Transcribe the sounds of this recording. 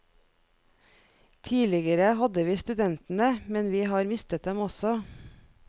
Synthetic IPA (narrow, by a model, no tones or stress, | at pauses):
t̪ʰiːlɪɡəɾəhɑd̪əʋiːst̪ʉd̪ɛnt̪n̩əmɛnʋiːhɑːɾmɪst̪ət̪̚d̪ɛmɔsɔ